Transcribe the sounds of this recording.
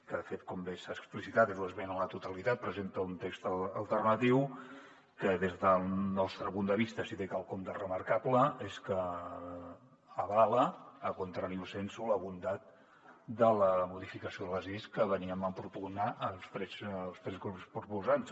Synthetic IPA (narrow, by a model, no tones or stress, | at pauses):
kəðəfet̪̚kɔmbesaksplisit̪at̪ezuəzβenələt̪ut̪əlit̪at̪̚pɾəzent̪əunt̪ekst̪əəlˠt̪ərnət̪iw | kəðezðəlˠnɔst̪ɾəpund̪əβ̞ist̪əsit̪ekalˠkomd̪ərəməɾkapləeskə | əβaləːkunt̪ɾaɾiusensuləβund̪at̪̚ | d̪ələmuðifikəsioðələziskəβəniəməmpɾupunaʔəlˠspɾɛslˠst̪ɾɛzɣɾupspɾupuzans